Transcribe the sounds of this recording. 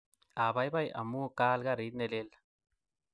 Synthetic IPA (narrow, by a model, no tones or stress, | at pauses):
aːbɐjbɐjɐ̰mukaːlɡaɾiːt̪nelel